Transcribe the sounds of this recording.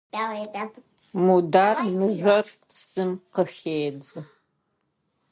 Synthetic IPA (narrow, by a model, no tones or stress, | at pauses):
mudaːrmɨʒʷɐrpsɨmqəxeːd͡zɨ